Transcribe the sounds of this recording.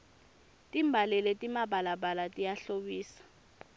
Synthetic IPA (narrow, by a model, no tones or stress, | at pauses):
tʼimbʱalɛletʼimaɓʱalaɓalatʼijaɬoɓiːsḁ